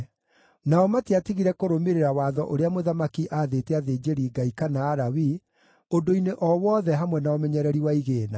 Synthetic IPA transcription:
naɔmatiatiɣiɾɛkoɾomeɾeɾawaːðɔʔoɾeamoðamakiʔaːðeteaðeːd͡ʒeɾiːɡaikanaːɾawi | odoineʔɔwɔðɛɦamwɛnaomɛɲɛɾɛɾiwaiɣeːna

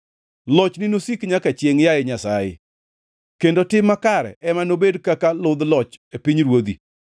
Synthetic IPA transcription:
lɔt͡ʃnɪnosikɲakat͡ʃjeŋjaɪɲasajɪ̰ | kendotɪmːakaɾɛ̰ʔɛmanobedkakalʊd̪lɔt͡ʃepiɲɾwod̪ḭ

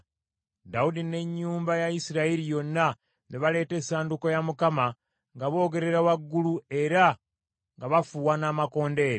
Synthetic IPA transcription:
daudine̞ɲːuːmbajaisiɾaiɾijo̞nːa | neβale̞ːte̞saːndukojamukama | ŋɡaβo̞ːɡe̞ɾe̞ɾawaɡːulue̞ɾa | ŋɡaβafuwanaːmako̞ːnde̞ːɾe

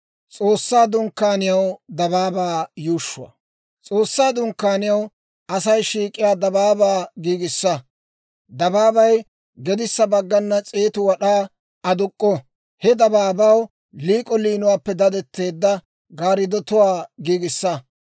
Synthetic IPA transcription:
t͡sʼo̞ːsːaːd̪ʊŋkːaːnɪjɐwd̪ɐbaːbaːjuːʃːʊwɐ̰ | t͡sʼo̞ːsːaːd̪ʊŋkːaːnɪjɐw | ɐsɐjʃiːkʼːɪjaːd̪ɐbaːbaːɡiːɡɪsːɐ | d̪ɐbaːbɐj | ɡɛd̪ɪsːɐbɐɡːɐnːɐt͡sʼeːt̪ʊwɐɗaː | ɐd̪ʊkʼːɔ | hɛd̪ɐbaːbɐw | liːkʼɔliːnʊwaːpːɛd̪ɐd̪ɛt̪ːe̞ːd̪ːɐ | ɡaːɾɪd̪ɔt̪ʊwaːɡiːɡɪsːɐ

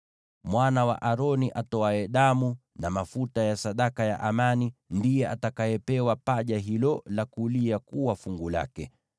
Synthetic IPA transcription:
mwanawa̰ʔaɾɔniʔatɔaɛɗamunamafutajasaɗakaja̰ʔamanindijɛʔatakajɛpɛwapaʄaɦilɔlakuliakuwafuŋɡula̰kɛ

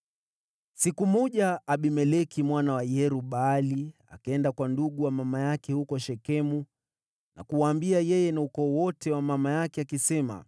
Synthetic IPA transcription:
sikumɔʄaaɓimɛlɛkimwanawajɛɾuɓalia̰kaɛndakwanduɠuwamamajakɛhukɔʃɛkɛmu | na̰kuwaːmbiajɛjɛnaukɔːwɔtɛwamamajakɛakisɛma̰

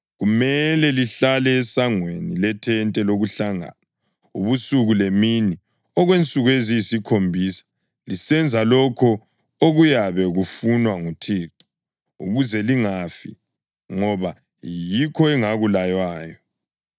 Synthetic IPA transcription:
ɣumɛlɛliɬalɛːsaŋwenilɛtʰɛntʼɛloɣuɬaŋa̰na | uβusuɣulemini | ɔɣwent͡sʼuɣuezijisikʰombʱiːsḁ | lisɛnd͡zʱalɔkʰɔ | oɣujaβɛɣufunwaŋutʰiːǀi̥ | uɣuzɛliŋafḭ | ŋɔβa | jikʰɔɛŋaɣulajwaːjɔ

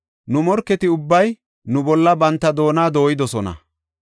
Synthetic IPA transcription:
nʊmɔɾkːɛt̪ɪʊbːɐj | nʊbɔlːɐbɐnt̪ːɐd̪o̞ːnaːd̪o̞ːjɪd̪ɔsɔnɐ̰

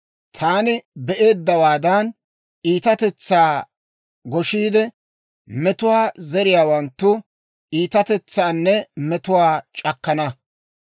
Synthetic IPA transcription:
t̪ʰaːnɪbɛʔe̞ːd̪ːɐwaːd̪ɐn | iːt̪ɐt̪ɛt͡sːaː | ɡɔʃiːd̪ɛ | mɛt̪ʊwaːzɛɾɪjaːwɐnt̪ːʊ | ʔiːt̪ɐt̪ɛt͡sːaːnːɛmɛt̪ʊwaːt͡ʃʼɐkːɐnɐ

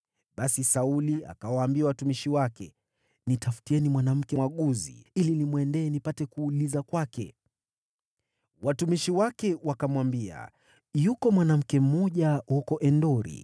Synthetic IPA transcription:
ɓasisaulia̰kawaːmbiawatumiʃiwakɛ | nitafu̥tiɛnimwanam̩kɛwaɠuzḭilinimwɛndɛːnipatɛkuːlizakwakɛ̰ | watumiʃiwakɛwakamwambia̰ | jukɔmwanam̩kɛm̩mɔʄahukɔʔɛndɔɾḭ

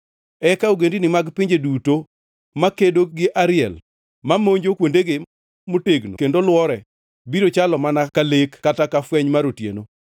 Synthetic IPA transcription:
ɛkaoɡendinɪmaɡpiɲd͡ʒeduto | makedoɡɪʔaɾɪɛ̰l | mamoɲd͡ʒokwondeɡe | moteɡno̰kendolwɔɾɛ | biɾot͡ʃalɔmanakalekːatakafwɛɲmaɾotjḛno

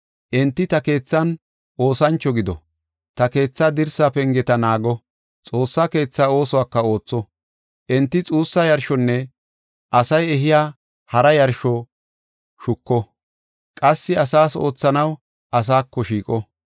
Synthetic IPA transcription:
ʔɛnt̪ːɪt̪ɐke̞ːt͡sːɐn | ʔo̞ːsɐnt͡ʃːɔɡɪd̪ɔ̰ | t̪ɐke̞ːt͡sːad̪ɪɾsapɛŋɡɛt̪ɐnaːɡɔ | t͡sʼo̞ːsːaːke̞ːt͡sːao̞ːsɔwaːkːɐo̞ːt͡sːɔ | ʔɛnt̪ːɪt͡sʼuːsːɐjɐɾʃɔnːɛ | ʔɐsɐjɛɦɪjaː | hɐɾɐjɐɾʃɔ | ʃʊkːɔ | kʼɐsːɪɐsaːso̞̰ːt͡sːɐnɐw | ʔɐs̬aːkːɔʃiːkʼɔ

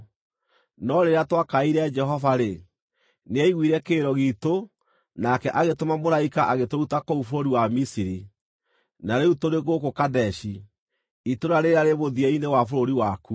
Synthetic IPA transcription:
nɔɾeɾeatwakaiɾɛd͡ʒɛɦɔvaɾe | neɛiɣwiːɾɛkeːɾɔɣito | nakɛʔaɣetomamoɾaikaʔaɣetoɾutakoufoɾoɾiwamisiɾi | naɾeutoɾeɣokokadɛʃi | itoɾaɾeɾeaɾeβoðiɛinewafoɾoɾiwaku

